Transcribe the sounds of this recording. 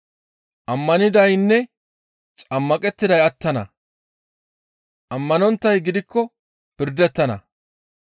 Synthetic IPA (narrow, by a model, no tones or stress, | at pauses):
ʔɐmːɐnɪd̪ɐjnːɛ | t͡sʼɐmːɐkʼɛt̪ːɪd̪ɐjɐt̪ːɐnɐ̰ | ʔɐmːɐnɔnt̪ːɐjɡɪd̪ɪkʰːɔ | pɪɾd̪ɛt̪ːɐnɐ̰